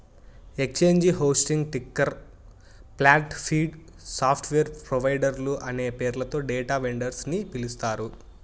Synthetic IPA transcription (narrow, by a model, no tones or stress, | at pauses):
ekt͡ʃe̞ːɲd͡ʒɦoːsʈiŋɡʈikːɐɾ | plaːʈpʰiːɖ | saːpʰʈʰʋeːɾpɾoʋɐjɖɐɾluʔɐne̞ːpeːɾlɐt̪o̞ːɖeːʈaːʋeɳɖɐɾsnipilust̪aːɾu